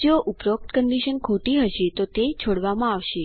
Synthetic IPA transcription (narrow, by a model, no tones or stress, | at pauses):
d͡ʒoʔupɾok̚t̪kəɳɖiʃənkʰuʈiɦəʃet̪ot̪et͡ʃʰoɽʋamãaʋʃe